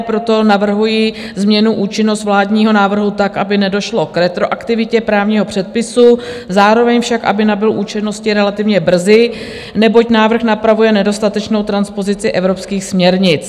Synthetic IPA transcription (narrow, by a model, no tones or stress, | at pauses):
pɾo̞t̪o̞navr̩ɦujizmɲɛnuʔuːt͡ʃɪno̞st̪vlaːdɲiːɦo̞naːvr̩ɦut̪akʔabɪnɛdo̞ʃlo̞kɾɛt̪ɾo̞ʔakt̪ɪvɪcɛpɾaːvɲiːɦo̞pr̝̥ɛt̪̚pɪsuzaːɾo̞vɛɲfʃakʔa̰bɪnabɪlʔuːt͡ʃɛno̞scɪɾɛlat̪ɪvɲɛbr̩zɪ | nɛbo̞cnaːvr̩xnapɾavujɛnɛdo̞st̪at̪ɛt͡ʃno̞wt̪ɾanspo̞zɪt͡sɪʔɛvɾopskiːxsmɲɛɾɲɪt͡s